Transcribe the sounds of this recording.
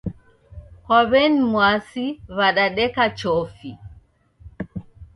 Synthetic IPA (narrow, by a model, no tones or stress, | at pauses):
hɔβɛnimwasiβaɗaɗɛkat͡ʃɔfi